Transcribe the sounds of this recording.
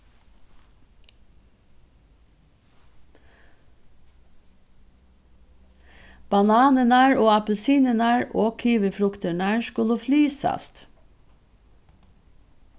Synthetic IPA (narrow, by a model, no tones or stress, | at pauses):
b̥ɑnɑːnənæːɹoːɑpəl̩siːnənæːɹʔoːkʰyːʋəfɾʊkt̪əɳæːɹʃkʉləflyːsɑ̰st̪